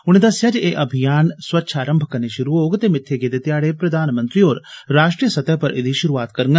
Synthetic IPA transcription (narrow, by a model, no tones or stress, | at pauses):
ʊñẽːd̪əsːɪjaːd͡ʒeːʔəbʱijaːnswətːʃʰaːɾəmbʱəkəɾneːʃʊɾuoːɡt̪eːmɪt̪ʰːeːɡeːd̪eːt̪ɪjaːɽeːpɾəd̪aːnmə̃nt̪ɾiɦoːɾɾaːʃʈɾijəsət̪ɛːpəɾʔɪ̰d̪iʃʊɾuaːt̪kəɾɡə